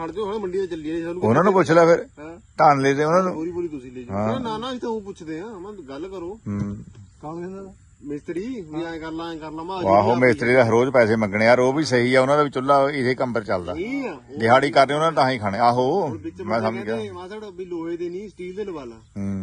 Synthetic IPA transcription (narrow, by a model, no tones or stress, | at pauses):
saːɽd͡ʒoẽːməɳɖiat͡ʃəliaãʊnãːnũːp̬ʊt͡ʃʰlaːpʰɪɾt̪aːnleːɾeːʊnãːnũːɾioɾiːt̪ʊĩːɦãːnanaːt̪eoːpʊt͡ʃʰd̪eːãmãːɡəlkəɾoːɦ | mɪst̪ɾiːkəɾnãːkəɾnãːmaaːɦoːmɪst̪ɾiːd̪aːɦəɾoːd͡ʒpɛːseːməŋɡɽeːəːɾoːbiːsəɦiːɛːʊnãːd̪aːʋɪt͡ʃʊlːaːɪt̪eːkəmpəɾt͡ʃəld̪a̰ː | d͡ʒɪɦaːɽiːkəɾneːʊnãːnt̪aãːiːkʰaːɽ̃eːaːɦoːmɛ̃ːsaːmẽkɛːiloːed̪eːnĩːsʈiːld̪enəbaːlaːɦ